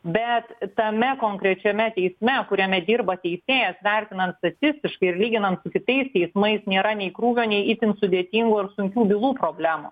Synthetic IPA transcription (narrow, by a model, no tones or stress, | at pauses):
bʲɛt̪tɐmʲɛkoːŋkɾʲɛt͡ʃʲɛmʲɛt̪ʲɛɪsʲmʲɛkʊɾʲɛmʲɛd̪ʲiːɾbɐt̪ʲɛɪsʲeːjɛsʋʲɛɾʲt̪ʲɪnɐnt̪st̪ɐt̪ʲɪsʲt̪ʲɪʃkɐɪɪrlʲiːɡʲɪnɐnt̪sʊkʲɪt̪ɐɪst̪ʲɛɪsmɐɪsnʲeːɾɐnʲɛɪkɾuːʋʲoːnʲɛɪiːt̪ʲɪnsʊd̪ʲeːt̪ʲiŋɡuɐɾsʊŋʲkʲuːbʲɪlˠuːpɾoːbʲlʲæːmu